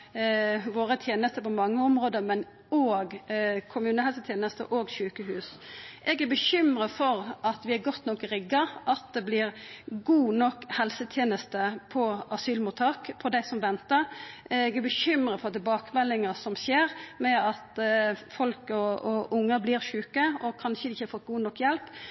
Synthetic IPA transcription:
ʋoːɾət̪ʰjeːnəst̪əpɔmɑŋːəɔmɾoːd̪əmɛn | oːɡkʰʊmʉːnəhɛlsət̪ʰjeːnəst̪ə̰ʔoːɡʃʉːkəhʉːsʔɛɡæɾbəɕʏmɾəfɔɾʔɑt̪ʋɪæɾɡɔt̪ːnɔkɾɪɡːɑʔɑt̪̚d̪ɛblɪɾɡuːnɔkːhɛlsət̪ʰjeːnəst̪əpʰɔɑsyːlmut̪ʰɑːkpʰɔd̪æɪsɔmʋɛnt̪əɾɛɡɛɾbəɕʏmɾəfɔɑt̪̚ɛbɑːkmɛlːɪŋɑsɔmɕeːɾmɛɑt̪fɔlkɔɔʔʊŋːəɾblɪːɾɕʉːkəɔkʰɑnʃəd̪ɪçəhɑfɔt̪̚ɡuːnɔkːjɛlp

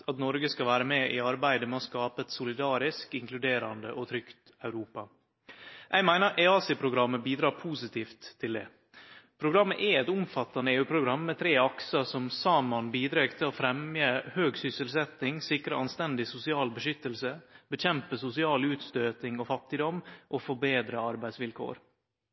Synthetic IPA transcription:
ɑt̪nɔɾɡəskɑʋæːɾəmɛːʔɪɑɾbæɪd̪əmɛɔskɑːpəɛt̪sʊlɪd̪ɑːɾɪskɪŋklʉd̪eːɾɑnd̪əʔɔt̪ʰɾʏkt̪ | ɑʉɾuːpɑ | ʔæɪmæɪnəɾʔæɑːsɪpʰɾʊɡɾɑmːəbiːd̪ɾɑːɾpʰuːsɪt̪iːft̪ʰːɪld̪ɛ̰ː | pʰɾʊɡɾɑmːəʔɛɛt̪ʊmfɑt̪ːɑnəeːʉːpʰɾʊɡɾɑmːɛt̪ʰɾeːɑksəsɔmsɑːmɑnbiːd̪ɾekt̪ʰɪlofɾɛmjəhøːɡsʏsəlsɛt̪ɪŋsɪkɾəɑnst̪ɛnd̪ɪsʊsɪɑːlbəʂʏt̪ːəlsəbəc͡çɛmpəsʊsɪɑːlʉːt̪st̪øːt̪ɪŋoːfɑt̪ːɪd̪ɔmʔoːfɔbeːd̪ɾəɑɾbæɪd̪sʋɪlkʰo̰ːɾ

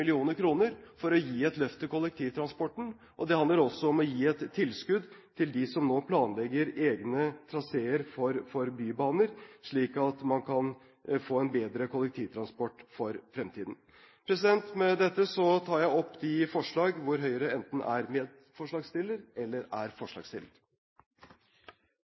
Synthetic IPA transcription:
ɪlɪuːnəɾkʰɾuːnəɾfɔɾɔjiːɛt̪lœft̪əkʊlɛk̚t̪ʰiːʋt̪ʰɾɑnspɔʈːɳ̩ | ʔɔd̪ɛhɑnd̪əɾɔsːɔɔmɔjiːɛt̪ʰːɪlskʉd̪t̪ʰɪld̪ɪsɔmnoːpʰlɑːnlɛɡːəɾeːɡnət̪ʰɾɑseːəɾfɔɾfɔɾbyːbɑːnəɾʂɭiːkɑt̪mɑnkʰɑn | foːɛnbeːd̪ɾəkʰʊlːɛk̚t̪ʰiːʋt̪ʰɾɑnspɔʈːfɔɾfɾɛmt̪ʰḭːd̪n̩ | pʰɾɛsɪd̪ɛnt̪mɛd̪ɛt̪ːəsɔt̪ʰɑːɾjæɪɔpːd̪ɪfɔʂɭɑːɡʋʊɾɦœʏəɾəɛnt̪n̩ʔæ̰ɾmeːd̪ | fɔʂɭɑːɡst̪ɪlːəɾɛlːəɾæɾfɔʂɭɑ̰ːɡst̪ɪ̰ləɾ

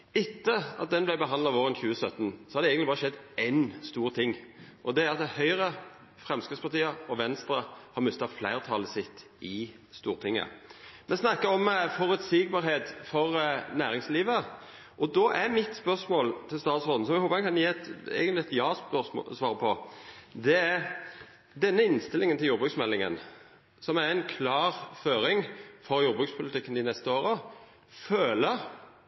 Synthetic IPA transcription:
ɪt̪ːəɑt̪̚d̪ɛnblæɪbəɦɑnd̪lɑʋoːɾənçʉːəsœt̪ːnsɔhɑd̪ɛɛɡənlɪbɑːʁəʃɛd̪ːɛɪnst̪uːɾt̪ʰɪŋːʔɔd̪ɛæɾɑt̪d̪ɛhœʏɾə | fʁɛmskɾɪt̪spɑʁt̪iːəɔʋɛnst̪ɾəhɑɾmʏst̪ɑflæɪʁt̪ʰɑləsɪt̪ː | ɪ | st̪uːɾt̪ʰɪŋːə̰mɛnsnɑkːəɔmfɔɾʉt̪sɪɡ̚bɑːɾɦeːt̪fɔʁnæːɾɪŋsliːʋə | ʔɔd̪ɔʔæɾmɪt̪spœʁsmoːlt̪ʰɪlst̪ɑːt̪sʁɔnn̩sɔmɛɡhoːpəɛkʰɑnjeːɛt̪ɛ̰ːɡənlɪɛt̪jɑːspœsmo̰ːsʋɑːɾəpʰɔd̪ɛæ | d̪ɛnːəɪnst̪ɪlɪŋənt̪ɪljuːbʁʉksmɛlːɪŋə̰n | sɔmæɾænkʰlɑːʁføːɾɪŋfɔɾjuːɾbʁʉːkspʰʊlɪt̪ɪkːənɪnɛst̪əoːɾə | føːlə

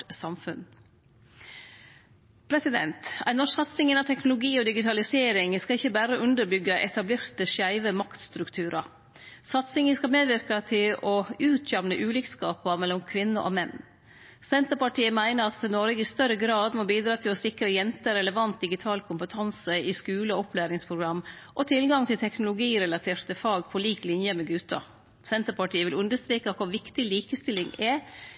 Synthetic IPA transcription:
sɑmfʉn | pʰɾɛsɪd̪ɛ̰nt̪æ̰ɪnɔʂsɑt̪sɪŋɪnɑt̪ʰɛknʊlʊɡiːɔd̪ɪɡɪt̪ʰɑlɪseːɾɪŋskɑɪçːəbæːɾəʔʉnd̪əɾbʏɡəʔɛ̰t̪ɑbleːɾt̪əʂæɪʋəmɑkt̪st̪ɾʉkt̪ʰʉːɾʔɑ | sɑt̪sɪŋəskɑmeːd̪ʋɪɾkɑt̪ʰɪlɔʉːt̪ʰjɛmnəʔʉːlɪkskɑːpɑmɛlːɔmkʰʋɪnːəʔo̰mɛnː | sɛnt̪əɾpɑʈiːəmæɪnəɾɑt̪nɔɾəɡəɪst̪œɾəɡɾɑːd̪mɔbiːd̪ɾɑːt̪ʰɪlɔsɪkɾəjɛnt̪əɾɛləʋɑnt̪̚d̪ɪɡɪt̪ʰɑːlkʰʊmpət̪ʰɑnsəɪskʉːləɔɔpʰlæːɾɪŋspʰɾʊɡɾɑmːʔɔt̪ʰɪlɡɑŋt̪ʰɪlt̪ʰɛknʊlʊɡiːɾɛlɑt̪ʰeːɾt̪əfɑːɡpʰɔliːklɪnjəmɛɡʉːt̪ɑ̰ | sɛnt̪əɾpɑʈiːəʋɪlʉnd̪əst̪ɾiːkɑkʰʊɾʋɪkt̪ɪliːkəst̪ɪlɪŋɛ

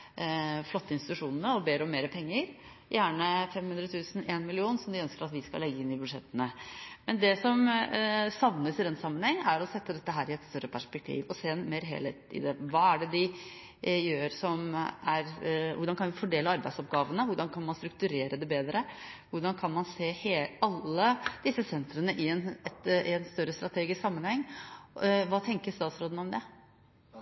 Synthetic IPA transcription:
flɔt̪ːəɪnst̪ɪt̪ʉʂuːnənəɔbeːd̪ɾəɔmeːɾəpʰɛŋːəɾ | jʔæːɳəfɛmhʉnd̪ɾət̪ʰʉːsən̩eːnmɪlɪuːnsɔmd̪ɪœnskəɾɑt̪ʋɪskɑlɛɡːəɪnːɪbʉd̪ʂɛt̪ːənəmɛnd̪ɛsɔm | sɑʋnəsɪd̪ɛnsɑmːənhɛŋːæɾɔsɛt̪ːəd̪ɛt̪ːəɦæːɾɪɛt̪st̪œɾəpʰæʂpɛk̚t̪ʰḭːʋɔseːnmeːɾɦḛːlhḛːt̪ɪ̰d̪ɛʋɑːæɖɛd̪ɪ | jøːɾsɔmæɾʋʊɖɑnkɑnʋɪfɔɖeːləɑɾbæɪsɔpɡɑːʋənəʋʊɖɑnkʰɑnmɑnst̪ɾʉk̚t̪ʉɾeːɾəd̪ɛbeːd̪ɾəʋʊɖɑnkʰɑnmɑnseːheːɑlːəd̪̥ɪsːəsɛnt̪ɾənəʔɪɛnɛt̪ɪɛnst̪œɾəst̪ɾɑt̪ʰeːɡɪsksɑmːənhɛŋː | ʋɑːt̪ʰɛŋkəɾst̪ɑːt̪sɾoːd̪n̩ɔmd̪ɛ

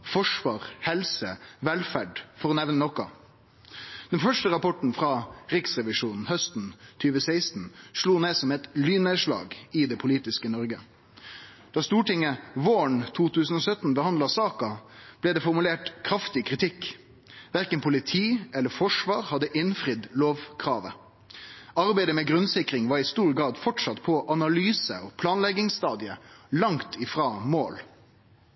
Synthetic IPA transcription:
fɔʂʋɑːʁhɛlsəʋɛlfæɖfɔʁɔnɛʋnənɔkɑ | d̪̥ɛnfœʂʈəɾɑpɔʈɳ̩fɾɑːʁɪksʁɛʋɪʂuːnn̩hœst̪n̩t̪ʰyːʋəsæɪst̪n̩ʂluːneːsɔmɛɪt̪lyːneːʂlɑ̰ːɡɪd̪ɛpʰʊliːt̪ɪskənɔɾɡə | d̪̥ɑːst̪uːʈɪŋəʋoːəɳt̪ʰuːt̪ʉːsən̩ɔːsœt̪n̩bəhɑnd̪lɑsɑːkɑb̥lɛːd̪ɛːfɔʁmʉleːʈkʰɾɑft̪ɪkʰʁɪt̪ʰɪkː | ʋæʁkənpʰʊlɪt̪ʰiːɛlːəfɔʂʋɑːʁhɑd̪ːəʔɪnfʁɪd̪loːʋkʰʁɑːʋə | ɑɾbæɪd̪əmɛːɡʁʉnsɪkɾɪŋʋɑːʁɪst̪uːʁɡʁɑːd̪fɔʈʂɑt̪pʰɔʔɑnɑlyːsə̰ɔpʰlɑːnlɛɡɪŋst̪ɑːd̪ɪəlɑŋt̪ʰɪfʁɑːmoːl

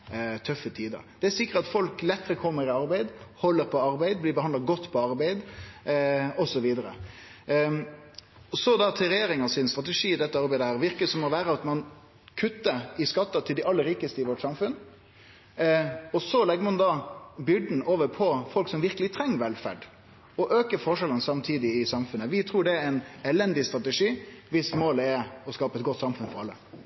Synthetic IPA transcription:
t̪ʰœfːət̪ʰiːd̪ə̰d̪̥ɛæɾsɪkːəɾt̪ɑt̪fɔlklɛt̪ːəɾəkʰɔmːəɾɪɑɾbæɪd̪hɔlːəɾpʰɔɑɾbæɪd̪blɪːbəhɑnd̪lɑɡɔt̪ːpʰɔɑɾbæɪd̪ | ɔsɔʋiːd̪əɾə̰ | ɔsɔd̪ɑt̪ʰɪlɾɛjeːɾɪŋɑsɪnst̪ɾɑt̪əʂiːd̪ɛt̪ːəɑɾbæɪd̪əhæːʁʋɪɾkəsɔmɔʋæːɾəɑt̪mɑn | kʰʉt̪ːəɾɪskɑt̪ːɑt̪ʰɪld̪ɪʔɑlːəɾiːkəst̪əɪʋɔʈsɑmfʉn | ɔsɔlɛɡːəmɑnd̪ɑbʏɖn̩ʔoːʋəɾpʰɔfɔlksɔmʋɪɾkəlɪt̪ʰɾɛŋːʋɛlfæ̰ɖ | ɔʔøːkəɾfɔʂɛlənsɑmt̪ʰiːd̪ɪɪsɑmfʉnːəʋɪt̪ʰɾuːɖɛæɛnɛlɛnd̪ɪst̪ɾɑt̪əʂiːʋɪsmoːləɛɾɔskɑːpəɛt̪̚ɡɔt̪ːsɑmfʉnfɔɾɑlːə̰

